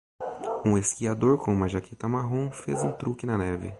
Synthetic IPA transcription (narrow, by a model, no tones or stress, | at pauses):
ũeskiad̪oɾkõmaʒakʰit̪ɐmaɦõfezũt̪ɾukɪnɐnɛvɪ̰